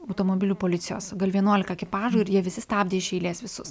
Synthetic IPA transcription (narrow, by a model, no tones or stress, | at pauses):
ɐʊt̪oːmobʲɪlʲuːpoːlʲɪt̪sʲɪjoːsɡɐlʲʋʲiɛnuɔlʲɪkɐkʲɪpɑːʒuːɪɾjiɛʋʲɪsʲɪst̪ɑːbʲd̪ʲeːɪʃʲɛɪlʲeːsʋʲɪsʊs